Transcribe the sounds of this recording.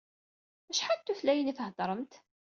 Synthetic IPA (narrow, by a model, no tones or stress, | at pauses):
æʃħant̪ːuθlæjənifəhd̪ˤɾˤəmt̪